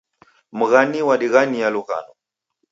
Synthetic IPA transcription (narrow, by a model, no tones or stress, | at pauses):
m̩ɣaniwaɗiɣanijaluka̰nɔ